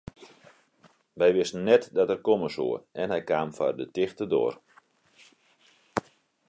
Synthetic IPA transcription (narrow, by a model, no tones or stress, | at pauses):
ʋɛjʋɪstənːɛtdɔtɛrkoməsṵərɛnɦɛjkaːmfa̰rdətɪxtədo̰ːr